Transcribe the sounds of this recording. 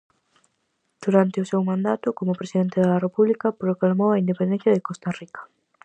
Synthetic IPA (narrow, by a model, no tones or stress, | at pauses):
d̪̥uɾant̪ɪʊsewmãnd̪at̪ʊkomʊpɾesiðent̪ɪðarepuβlikɐpɾoklalmowɐind̪epend̪ẽθjɐðekost̪arikɐ̥